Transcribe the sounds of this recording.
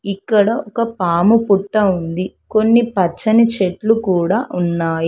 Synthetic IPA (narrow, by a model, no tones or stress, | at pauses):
ikːɐɽɐɔkɐpaːmupuʈːɐund̪iko̞nːipɐt͡ʃːɐnit͡ʃeʈlukuːɽaːʔunːaːji